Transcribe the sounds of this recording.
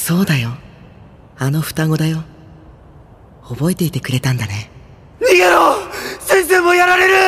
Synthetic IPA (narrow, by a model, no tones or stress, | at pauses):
so̞ːd̪ajo | ano̞ɸɯ̟̥t̪aɡo̞d̪ajo̞ | obo̞e̞t̪e̞it̪ekɯ̟ɾe̞t̪ãnd̪ane̞ | miɡeɾosẽ̞ɰ̃s̬e̞ːmojaɾaɾe̞ɾɯ̟